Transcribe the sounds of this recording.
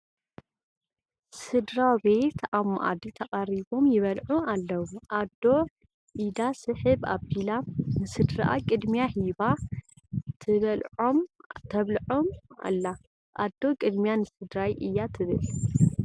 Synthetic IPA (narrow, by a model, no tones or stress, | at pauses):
sɨd̪ɾabe̞t̪ama̰ʔa̰d̪it̪ʰɐkʼaɾiβo̞mjɪβɐlʕualːɐwuʔad̪ːo̞ | ʔid̪asɨħɨba̰bilanɨsɨd̪ɾɨʔa̰kʼɨd̪mijahiba | t̪ʰɨβɐlʕo̞mt̪ʰɐβlʕo̞ma̰lːa | ʔad̪ːo̞kʼɨd̪mijanɨsɨd̪ɾajʔɨjːat̪ʰɨβɨl